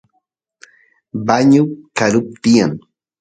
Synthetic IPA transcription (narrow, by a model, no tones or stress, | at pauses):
baɲʊkaɾʊp̚t̪ɪjaŋ